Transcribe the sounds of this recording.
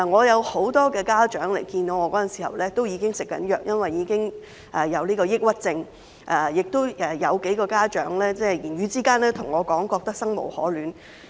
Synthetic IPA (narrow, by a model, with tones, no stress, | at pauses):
ŋɔː˨˧jɐ˨˧who˨˥wt̪ɔː˥kɛː˧kaː˥t͡ʃœː˨˥ŋle˨˩jkiː˧nt̪o˨˥wŋɔ˨˧kɔː˨˥jɐ˨nsi˨˩hɐ̰˨˩wlɛː˥t̪o˥wjiː˨˧kɪ˥ŋsɪ˨kːɐ̰˨˥njœː˨k̚jɐ˥nwɐ˨jːiː˨˧kɪ˥ŋ | ʔɛ˨˩jɐ˨˧wliː˥kɔː˧jɪ˥k̚wɐ˥t̚t͡sɪ˧ŋ | ʔɛ˨˩jɪ˨k̚t̪o˥wɛ˨jɐ˨˧wke˨˥jkɔː˧kaː˥t͡ʃœ̰ː˨˥ŋlɛː˥t͡sɛː˥˩jiː˨˩nɥyː˨˧t͡siː˥kaː˥nlɛː˥t̪ʰʊ˨˩ŋɔː˨˧kɔː˨˥ŋkɔː˧k̚t̪ɐ˥k̚sɐ˥ŋmo̰˨˩whɔ̰ː˨˥lyː˨˥n